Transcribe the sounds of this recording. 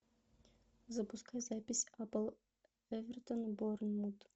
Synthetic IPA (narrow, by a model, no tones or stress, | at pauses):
zɐpʊskajzapʲɪsʲapəlˠ | ɛvʲɛrt̪onboɾnmut̪